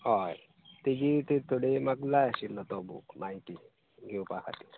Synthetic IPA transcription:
ɦɔj | t̪id͡ʑit̪et̪oɽemaɡlajaɕilːət̪ɔbṵmaiʈ̪i | ɡʱeupakʰa̰t̪i̥

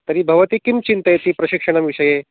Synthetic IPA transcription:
t̪əɾiːbʱɐʋət̪iːkimt͡ɕint̪əjet̪iːpɾɐɕikʂəɽ̃əʋiʂəje

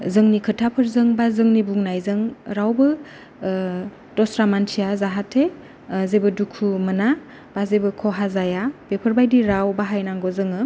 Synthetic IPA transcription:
zɯŋnikʰɯtʰapʰɯɾzɯŋbazɯŋnibuŋnajzɯŋɾawbɯ | d̥ɔsɾamantʰijazaɦatʰe | zebɯdukʰumɯna | b̥azebɯkʰɔɦazajabepʰəɾbajdiɾawbaɦajnaŋɡɔzɯŋɯ

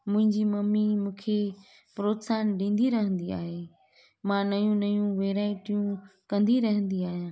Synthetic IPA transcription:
mʊ̃ɦɪ̃ɲd͡ʑiːmɐmimũːkʰe | pɾoːt̪saːnɗĩːnd̪iɾɐɦə̃nd̪ia̰ːɦeː | mãːnɐjũnɐjũʋeːɾaːɪʈijũkɐ̃nd̪iɾɐɦə̃nd̪iaːɦijãː

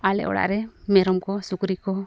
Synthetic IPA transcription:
alɛ̰ʔɔ̰ɽa̰ʔɾɛmɛɾɔmkɔsukɾikɔ

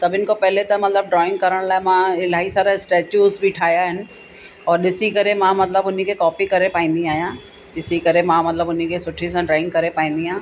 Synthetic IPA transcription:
sɐbʱɪnkopɛɦlet̪ɐmɐt̪ləbɖɾɔːɪ̃ŋɡ̚kɐɾəɽ̃laːemãɪlaːisaːɾaɪsʈɛːt͡ɕuːzbʱiʈʰaːjaɦɪnɪ̆ | ɔːɾɗɪsikɐɾemãmɐt̪ləbʊn̤ikekɔːpikɐɾepaːĩːnd̪iaːɦijãː | ɗɪsikɐɾemãmɐt̪ləbʊn̤ikesʊʈʰis̬ãɖɾaːɪ̃ŋɡkɐɾepaːĩːn̆d̪iɦãː

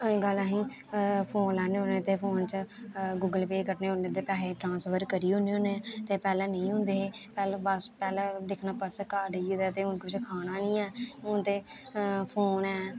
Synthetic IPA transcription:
ɡəlãɦĩː | pʰoːnlɛːneːɦõnẽːt̪eːpʰoːnt͡ʃəɡuːɡəlpeːkəʈneːɦʊnẽt̪eːpɛːleːʈɾãːnsʋəɾkəɾiːɦõneɦoːnet̪eːpɛːlẽːnə̃ĩːɦʊ̃nd̪eːeːpɛːlːbəspɛːlẽːd̪ɪkʰnaːpəɾsəkaːɖiːd̪ɛːt̪eːʊnkːɪt͡ʃʰekʰaːnaːnĩːɛːʊnt̪eːpʰoːnɛː

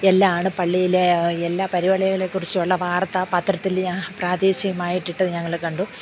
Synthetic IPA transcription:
elːaaːɳɨpɐɭːijileelːaːpɐɾiʋɐɭɐjɐɣɐɭekːurit͡ɕːɨuɭːɐʋaːrt̪ːɐpɐt̪rɐt̪ːilpraːd̪eːɕɐjɐmaːjiʈːiʈːɨɲɐŋːɐɭkɐɳɖu

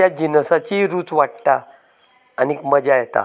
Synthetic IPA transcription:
jad͡ʑinəsat͡ɕiɾuːt͡sʋaʈ̚t̪a̰ː | nikməd͡ʑajɛt̪a̰

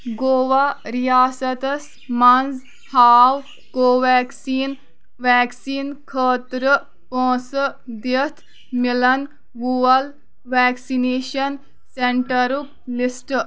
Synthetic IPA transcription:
ɡoːʋaɾijaːsɐt̪ɐs | mɐnz | haːw | koːʋɛːksiːn | ʋɛːksiːnkʰəːt̪ɾə | põːsəd̪it̪ʰ | milɐn | ɡuɐl | ʋɛːksineːʃɐn | seɳʈɐɾuk̚lisʈ

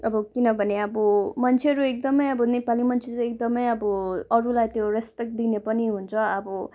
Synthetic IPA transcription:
ʌbʌkinʌbʱʌneʌbʌmʌnt͡sʰeɦʌɾuek̚d̪ʌmʌjʌbʌnepalimʌnt͡sʰet͡sʌek̚d̪ʌmʌjʌbʌʌɾulajt̪joɾespek̚ʈ̚d̪inepʌniɦunt͡sʰʌʌbʌ

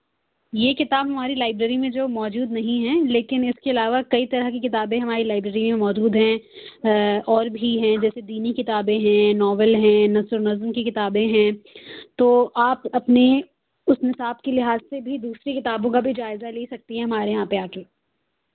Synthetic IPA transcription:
jeːkɪt̪aːbɦɐmaːɾilaːɪbɾəɾimẽd͡ʒoːmɔːd͡ʒuːd̪nɐɦĩɦɛ̃leːkɪnɪskeɐlaːʋakɐit̪ɐɾəɦkikɪt̪aːbẽɦɐmaːɾilaːɪbɾəːɾimẽmɔːd͡ʒuːd̪ɦɛ̃ | ɔːɾbʱiɦɛ̃d͡ʒɛːsed̪iːnikɪt̪aːbẽɦɛ̃nɔːʋəlɦɛ̃nɐzʊɾnɐzmkikɪt̪aːbẽɦɛ̃ːt̪oːʔaːpɐpne | ʊsnɪsaːbkelɪɦaːzsebʱid̪uːsɾekɪt̪aːbõkabʱid͡ʒaːɪzaleːsɐk̚t̪iɦɛ̃ɦɐmaːɾeɦɦãːpeaːkeː

